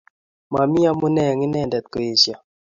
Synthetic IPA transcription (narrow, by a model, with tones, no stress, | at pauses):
ma˨mi˦a˦mʊ˦nɛ˦˨ŋɪ˦nɛ˦˨ndɛ˨t̪̚ko˨e˨sja˨